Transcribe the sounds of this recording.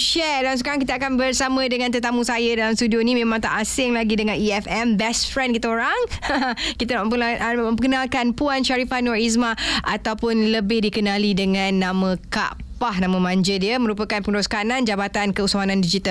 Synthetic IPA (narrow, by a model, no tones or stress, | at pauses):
ʃɛdalamsəkaɾaŋkit̪əakanbərsamə̃dəŋant̪ət̪amũsajadalamst̪udionimẽmãŋt̪a̰ʔasɪŋlaɡidəŋaniɛfɛmbɛstfɾɛnkit̪aoɾaŋ | kit̪anaʔə̃mpəkənalkanpuanʃaɾifanɔɾis̬maʔa̰t̪awpʊnləbɪhdikənalidəŋanːãmə̃ka̰ʔpahnãmə̃mãɲd͡ʒədiəmə̃ɾupəkanpəŋəɾɔskanãnd͡ʒabat̪ankəusawanãndid͡ʒit̪al